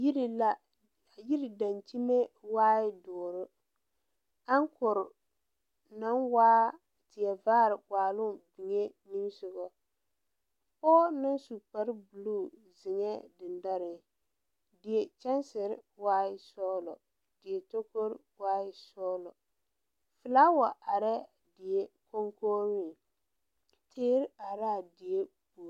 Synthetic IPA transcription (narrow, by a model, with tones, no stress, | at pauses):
i˦ɾla˦˨ | ji˦ɾɪ˨da˨nt͡ʃi˦me˦waː˦jɪ˦dɔː˨ɾɨ˦ | a˦ŋ˦kʊ˨ɾɪ˨ | na˦nwaː˦ | tɪ˨jɛ˨vaː˦ɾɪ˨waː˨lʊ˦bi˨ŋe˦ni˦msʊ˨ɣɔ˦ | pɔː˦nɨ˦nsu˨k͡pa˨ɾbu˨lu˦˨ | zɪ˨ŋɛ˦dɪ˨nda˦ɾɪ˨ | dɪ˨e˨t͡ʃɛ˦nsɪ˨ɾɪ˦waː˦ɪ˦sɔː˦lɔ˨ | d̥ɪ˨e˨to˦ko˦ɾwaː˦ɪ˦sɔː˦lɔ˨ | fɪ˨laː˦wa˨ʔa˨ɾɛ˦ | dɪ˨e˦ko˦ŋkʰoː˦ɾi˦˨ | tʰeː˦ɾɪ˦a˨ɾa˦˨dɪ˨e˦ | bu˨